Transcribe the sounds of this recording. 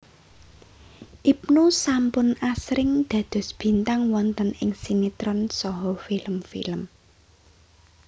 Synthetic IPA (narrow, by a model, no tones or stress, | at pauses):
ʔip̚nusampʊnasɾɪŋd̪̥ä̤d̪̥ɔ̤sb̥i̤nt̪aŋwɔnt̪ənɪ̰ŋsinit̪ɾɔnsɔɦɔfiləmfḭləm